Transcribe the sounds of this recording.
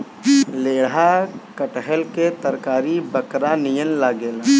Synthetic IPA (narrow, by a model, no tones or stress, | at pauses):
leːɽakəʈəɦəlket̪əɾkaːɾibəkɾanijənlaːɡeːl